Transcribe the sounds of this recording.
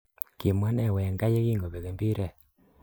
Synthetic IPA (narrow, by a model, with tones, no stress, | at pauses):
ki˨mwa˦nɛ˨wɛ˨ŋɡa˦je˦ɣi˦ŋɡo˨βe˨ɣe˨mbi˦ɾɛ˦˨